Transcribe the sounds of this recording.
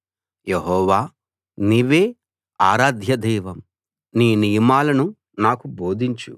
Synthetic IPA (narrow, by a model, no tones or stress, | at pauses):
jeɦɔːʋaː | niːʋeː | aːɾaːd̪ʱjɐd̪ɛjʋɐm | niːnijɐmaːlɐnu | naːkubo̞ːd̪ʱiɲt͡ʃṵ